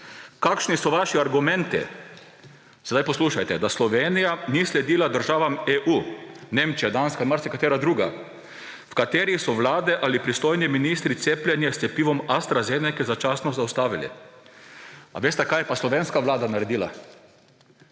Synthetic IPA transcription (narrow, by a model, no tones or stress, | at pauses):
kakʃnisɔʋaʃiaɾɡumɛ̃nt̪ḭ | sɛd̪ajpɔsluːʃajt̪ɛd̪aslɔʋeːnijanislɛd̪iːlad̪əɾʒaːʋameʔuːneːmt͡ʃijad̪anskailmaɾsɛkat̪eːɾad̪ɾuːɡa̰ | fkat̪eːɾisɔʋlaːd̪ɛʔalipɾist̪ojniminist̪ɾit̪seplʲjɛnjɛst̪ɛpiːʋɔmast̪ɾazenɛkɛzat͡ʃasnɔzawst̪aːʋilḭ | a̰ʋeːst̪ɛkajɛpaslɔʋenskaʋlaːd̪anaɾɛd̪iːla̰